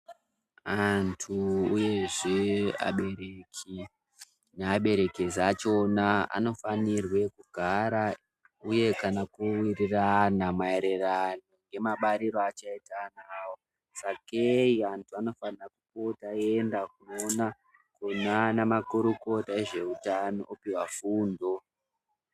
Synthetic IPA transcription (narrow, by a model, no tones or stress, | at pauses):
antʰuuje̞ʐea̰ɓe̞ɾekʰi | neaɓe̞ɾe̞kezat͡ʃonaa̰no̞fanirwe̞kuɡʱaɾa | uje̞kanakuwiriranamaeɾeranoŋɡe̞maɓaɾiɾo̞at͡ʃaitanawo̞ | sakeiantʰuano̞fanirakupo̞taeːndakuona | konanamakuɾuko̞tae̞ʐe̞utano̞̰ʔopiwafuːndo̞